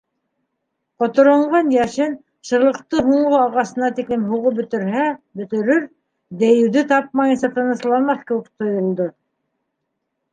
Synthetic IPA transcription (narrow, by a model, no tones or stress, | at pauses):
qŏt̪ŏɾŏɴʁɑnjæʃɘn | ʃɤ̆ɾlˠɤ̆qt̪ɤɦuɴʁoɑʁɑsɤ̆nɑt̪iklɘmɦuʁobɵ̆t̪ɘ̆ɾɦæbɵ̆t̪ɘ̆ɾɵɾ | d̪æjɘ̆wðɘt̪ɑp̚mɑjɤ̆nsɑt̪ɤ̆nɤ̆slˠɑnmɑθkɘ̆wɘk̚t̪ʰŏjŏlˠd̪o